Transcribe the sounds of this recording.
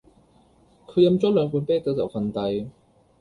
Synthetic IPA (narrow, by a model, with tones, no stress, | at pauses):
kʰɵ˨˧˥jɐ˧mt͡sɔː˥lœː˨˧ŋpuː˨˧˥npe˥t̪ə˨˧˥t͡sɐ˨˩wkʰɐ˨˩nt̪ɐ˧j